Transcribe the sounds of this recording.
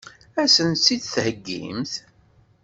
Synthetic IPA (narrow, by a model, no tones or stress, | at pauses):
æsənsid̪θhəɡːḭmθ